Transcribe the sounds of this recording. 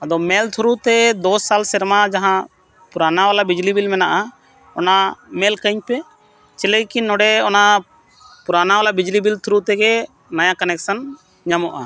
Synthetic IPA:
ad̪ɔmɛlt̪ʰɾut̪ɛd̪ɔsalsɛɾmad͡ʒaɦã | puɾanawalabid͡ʒlibilmɛnaʔa | ɔnamɛlkəɲpɛ | t͡ʃɛlɛjkinɔɖɛɔna | puɾanawalabid͡ʒlibilt̪ʰɾut̪ɛɡɛ | najãkənɛksən | ɲamɔʔa̰

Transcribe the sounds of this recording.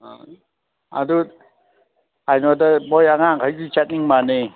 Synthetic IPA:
a̰du | ajnɔdabɔjaŋaŋkʰajzit͡ʃat̚niŋmane

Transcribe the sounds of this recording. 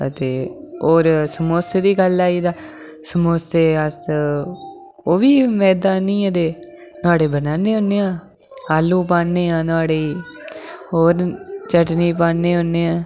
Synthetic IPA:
ət̪eːoːɾsəmoːseːd̪iːɡəlaːiːd̪aː | səmoːseːəs | oːʋiːmɛːd̪aːnĩːad̪eː | nʊaːɽeːbənaːneːɦonːeːãː | aːlːũːpaːnːeːãːnʊaːɽeːiː | oːɾt͡ʃəʈniːpaːnːeːɦonːeːãː

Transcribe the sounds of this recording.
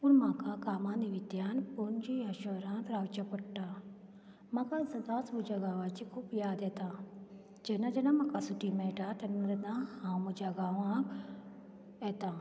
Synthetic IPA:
unmãːkakaːmãːniʋid̪jaːnpoːnd͡ʒiaʃoɾãːt̪ɾaːwt͡ʃapɐʈʈa | makasɐd̪aːsbud͡ʒaɡaːʋat͡ʃikʰuːpjaːd̪eːt̪a | d͡ʒenad͡ʒɐnamakasuʈimeʈaʈɐnɾet̪ãhãːmud͡ʒaɡaːʋãk | et̪aː

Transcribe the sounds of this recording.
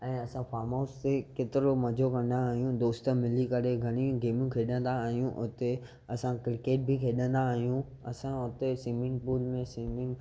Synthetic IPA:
ɛ̃ːɐsãfaːɾmoːst̪ekeːt̪ɪɾomɐd͡ʑʱokɐ̃n̆d̪aːɦijũd̪oːst̪əmɪlikɐɾeɡʱɐɽ̃ĩɡeːmjũkʰeːɗə̃nd̪aːɦijũʔʊt̪e | ɐsãkɾɪkeːʈ̚bʱɪkʰeːɗə̃nd̪aːɦijũ | ɐsãʊt̪esĩːmɪ̃ŋɡpuːlmẽsiːmɪ̃ŋɡ

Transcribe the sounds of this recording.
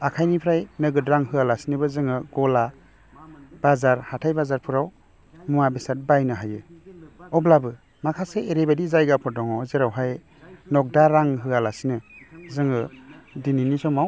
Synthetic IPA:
akʰajnipʰɾajnɯɡɯtɾaŋɦɯalasinɯbɯzɯŋɯɡɔla | b̥azaɾhatʰajbazaɾpʰɯɾaw | muabisat̚bajnɯɦajɯ | ɔblabɯ | makʰaseeɾebadizajɡapʰɔdɔŋɔzeɾawɦaj | nɔk̚daɾaŋɦɯalasinɯzɯŋɯdininisɔmaw

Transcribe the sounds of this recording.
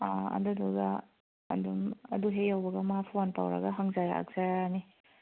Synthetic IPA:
aɐ̰duduɡa | ɐ̰dumɐ̰duɦejawbɐɡɐmaapʰuanta̰wɾɐ̰ɡaɦaŋzaɾa̰a̰k̚zajani

